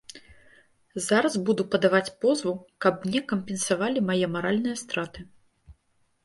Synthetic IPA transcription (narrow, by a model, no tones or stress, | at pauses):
zaɾɐzbud̪upɐd̪avat͡sʲpɔzvukɐpmnʲɛkɐmpʲɛnsavalʲimajɛmaɾalʲnɨjɐst̪ɾat̪ɨ